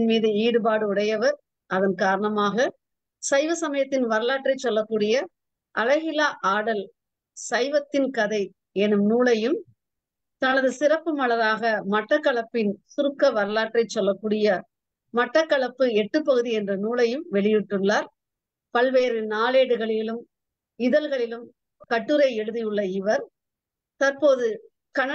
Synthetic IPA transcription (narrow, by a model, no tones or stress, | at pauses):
nmiːðɯiːɽɯbaːɽɯʊɽɐjɐʋɐɾ | ʔɐðɐnkaːɾɐɳɐmaːɣɐ | sɐɪʋɐsɐmɐjɐt̪ːɪnʋɐɾɯlaːʈrɐɪt͡ʃːɔlːɐkːuːɽɪjɐ | ʔɐlɐɣɪlaːʔaːɽɐl | sɐɪʋɐt̪ːɪnkɐðɐɪ | ɛnɯmnuːɭɐjɯm | t̪ɐnɐðɯsɪrɐpːɯmɐɭɐɾaːɣɐmɐʈrɐkːɐɭɐpːɪnsʊɾɯkːɐʋɐɾɯlaːʈrɐɪt͡ʃːɔlːɐkːuːɽɪjɐ | mɐʈrɐkːɐɭɐpːɯɛʈːɯpːɐɣɯðiɛndrɐnuːɭɐjɯmʋɛɭɪjɪʈːɯɭːaːɾ | pɐlʋeːɾɯnaːleːɽɯɣɐɭɪlɯm | ɪðɐlɣɐɭɪlɯm | kɐʈːɯɾɐɪɛɻɯðɪjɯɭːɐɪʋɐɾ | t̪ɐɾpoːðɯ | kɐn